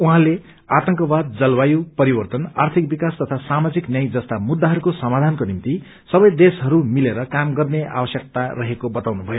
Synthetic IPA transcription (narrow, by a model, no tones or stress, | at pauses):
uɦãle | at̪ʌŋkʌbad̪̚d͡zʌlwajupʌɾibʌrt̪ʌnart̪ʰikbikast̪ʌt̪ʰasamad͡ziknjʌjd͡zʌst̪amud̪ʱːaɦʌɾukosʌmad̪ʱankonimt̪i | sʌbʌjd̪esɦʌɾumileɾʌkamɡʌrnea̰bʌsjʌk̚t̪arʌɦekobʌt̪awnubʱʌjo